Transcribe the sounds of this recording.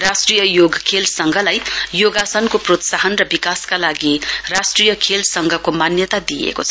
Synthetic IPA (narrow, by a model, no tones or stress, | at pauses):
rasʈrijʌjoɡkʰelsʌŋɡʱʌlajjoɡasʌnkoprot̪saɦʌnrʌbikaskalaɡirasʈrijʌkʰelsʌŋɡʱʌkomanjʌt̪ad̪ijḛkot͡sʰʌ